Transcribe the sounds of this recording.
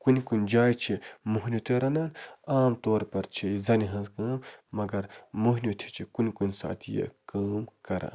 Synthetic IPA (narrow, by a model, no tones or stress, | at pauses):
kunʲkunʲd͡ʒaːjt͡ʃʰimuɦnʲut̪ʰeɾɐnaːnaːmt̪oːɾpɐɾt͡ʃʰiizɐniɦɐ̃nzɡɐːmːɐɡɐɾmuɦnʲjut̪ʰi̥t͡ʃʰikunʲkunʲsa̰ːt̪ʰijḛkaːmkɐɾa̰ːn